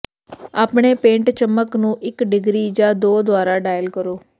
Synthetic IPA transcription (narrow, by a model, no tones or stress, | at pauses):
aːpɳeːpẽːɳʈt͡ʃəməknũːʔɪkɖɪɡɾiːd͡ʒãːd̪oːd̪ʊaːɾaːɖaːjəlkəɾoː